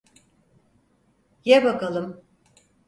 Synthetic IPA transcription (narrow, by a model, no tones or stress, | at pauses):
jɛbakalˠɯm